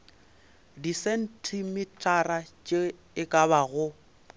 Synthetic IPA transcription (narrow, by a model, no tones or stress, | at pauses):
disɛn̩tʰimɪtʼarat͡ʃʼe | ɪkʼabaɣʊ